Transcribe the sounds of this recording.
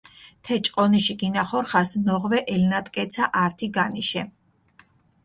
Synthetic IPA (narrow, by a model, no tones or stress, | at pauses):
t̪ʰɛt͡ʃʼqʼɔniʃiɡinaχɔɾχasnɔʁvɛʔɛlnat̪ʼkʼɛt̪sʰaʔaɾt̪ʰiɡaniʃɛ